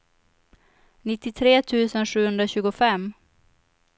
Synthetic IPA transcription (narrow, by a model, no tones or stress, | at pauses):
nɪt̪ːɪt̪ʰɾeːt̪ʰʉ̟ːsənʂʉ̟ːhɵnd̪ɾaɕʉ̟ːɡʊfɛmː